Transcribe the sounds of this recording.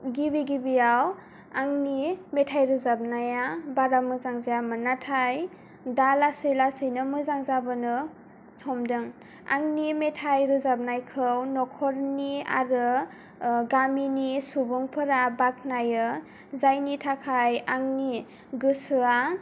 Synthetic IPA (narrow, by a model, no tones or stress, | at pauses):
ɡibiɡibijaw | aŋnimetʰajɾɯzab̚najabaɾamɯzaŋzajamɯnatʰaj | dalasejlasɯjnɯmɯzaŋzabɯnɯ | hɔmdɯŋ | a̰ŋnimetʰajɾɯzab̚najkʰɯwnɔkʰɔɾnia̰ɾɯ | ɡaminisubɯŋpʰɯɾabak̚ʰnajɯ | zajnitʰakʰajaŋni | ɡɯsɯa